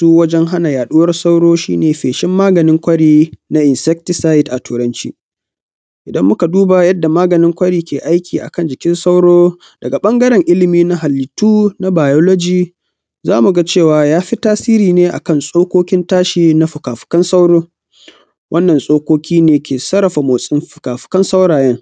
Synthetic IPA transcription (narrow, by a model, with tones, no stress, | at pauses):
tuː˦wɐ˦d͡ʒɛ˦ŋɦa˦na˨jaː˨ɗu˦wɐ˦rsa˦wɽoː˦ʃḭː˦neː˨ɸeː˨ʃɪ˦mːaː˦ɡɐ˨nɪ˦ŋkʷɐ˦ɽiː˦na˦ʔɪ˨nsɛ˦k̚tɪ˦saː˦ɪ˦dʔa˨tʰuː˨ɾɐ˦nt͡ʃḭː˦ | ʔɪ˨dɐ˦mːʊ˦ka˨duː˦ba˨jɐ˦dːa˨maː˦ɡɐ˨nɪ˦ŋkʷɐ˦ɽiː˦kʲeː˨ʔa˦jkʲiː˨ʔa̰˨kɐ˦˨nd͡ʒɪ˨kʲɪ˦nsa˦wɽoː˦ | d̥ɐ˨ɡa˨ɓɐ˦ŋɡɐ˦ɾɛ˨ŋʔɪ˦lɪ˨miː˦na˦ɦa˨lːɪ˨tuː˦na˦baː˨jɔ˦lɔ˦d͡ʒiː˦ | zaː˦mu˨ɡa˦t͡ʃeː˦˨waː˨jaː˦ɸi˦taː˦siː˦ɾiː˨neː˦ʔa̰˨kɐ˦˨nsʼoː˦kʷoː˦kʲɪ˦ntaː˦ʃiː˨na˦ɸʊ˨kaː˨ɸɪ̥˨kɐ˦nsa˦wɽoː˦ | wʔɐ˦nːɐ˨nsʼoː˦kʷoː˦kʲiː˦neː˨kʲeː˨sɐ˦ɾɐ˨ɸa˨moː˨sʼɪ˦mɸʊ˨kaː˨ɸɪ̥˨kɐ˦nsa˦wɽaː˨jɛ˦ŋ